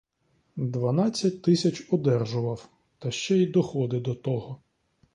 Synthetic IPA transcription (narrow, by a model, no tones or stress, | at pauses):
d̪ʋɐnɑt͡sʲːɐtʲt̪ɪsʲɐt͡ʃɔd̪ɛrʒʊʋɐw | t̪ɐʃt͡ʃɛid̪ɔxɔd̪ɪd̪ɔt̪ɔɦɔ